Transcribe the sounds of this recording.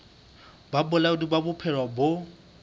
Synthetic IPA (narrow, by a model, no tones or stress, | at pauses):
babʊlaʊdibabʊpʰɛrwabʊ